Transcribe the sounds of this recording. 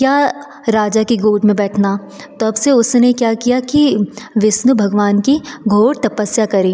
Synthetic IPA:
kjaː | ɾaːd͡ʒakiɡoːʈmẽbɛːʈʰna | t̪oɐbseʊsnekjaːkijakiʋɪsnubʱɐɡʋaːnkiɡʱoːɽt̪ɐpəsjakɐɾẽː

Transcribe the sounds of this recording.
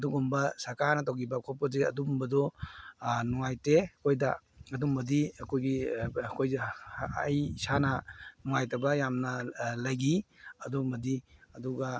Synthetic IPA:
ɐduɡumbɐsɐɾkaɾnɐt̬awɡibɐkʰɔp̚pɐzeɐ̰dumbɐdɔ | nuŋajteɐkʰojdɐ | ɐdumbɐdiɐkʰojɡikʰoj̰ː | jsanɐnuŋajtɐbɐjamnɐlɐjɡiɐdumɐdiɐduɡɐ

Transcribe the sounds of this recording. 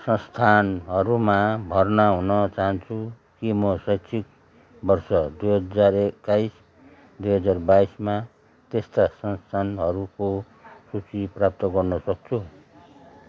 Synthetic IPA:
sʌ̃st̪ʰanɦʌɾumabʱʌrnaɦunʌt͡saɦʌnt͡sʰu | kimʌsʌjsʰik̚ | bʌrsʌd̪ujɦʌd͡zarekːajs | d̪ujɦʌd͡zarbaisma | t̪est̪asʌnst̪ʰanɦʌɾuko | sut͡siprap̚t̪ʌɡʌrnʌsʌk̚t͡sʰu

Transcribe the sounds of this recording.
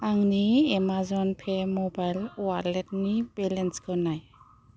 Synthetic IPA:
aŋniemazɔnpʰemɔbajlwalet̚nib̥ɛlɛnskʰɔnaj

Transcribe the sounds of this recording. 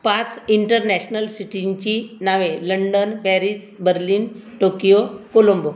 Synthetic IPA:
pat͡siɳʈəɾnɛɕnəlsiʈiɲt͡ɕinaʋeləɳɖənpɛɾis | bəɾliːnʈokijokolombo

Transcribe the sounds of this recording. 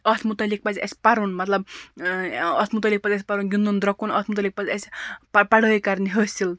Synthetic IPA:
ʌt̪ʰmut̪ɐlik̚pat͡siʔesʲpaɾunmʌt̪lʌb̚ | ʌt̪ʰmut̪ɐlik̚pat͡sɐsʲpaɾunɡʲind̪und̪ɾʌkunʌt̪ʰmut̪ɐlik̚pat͡sʲesppaɽoikaɾniɦosil

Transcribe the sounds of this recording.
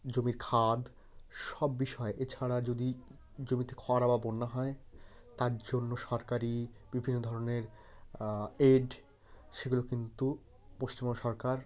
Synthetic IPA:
d͡ʑomiɾkʰad̪ | ʃɔbːiʃɔeʔet͡ɕʰaɾad͡ʑod̪i | d͡ʑomit̪ekʰɔaɾababonːaɦɔe | t̪aɾd͡ʑonːoʃɔɾkaɾib̥ibʱinːod̪ʱɔɾoneɾ | eɖ | ʃeɡulokint̪u | poʃt͡ɕimoʃɔɾkaɾ

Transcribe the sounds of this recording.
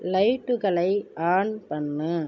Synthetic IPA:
lɐɪʈːɯɣɐɭɐɪaːɳpɐnːɯ

